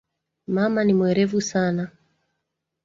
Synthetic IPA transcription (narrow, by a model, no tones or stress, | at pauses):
mamanimwɛɾɛvusana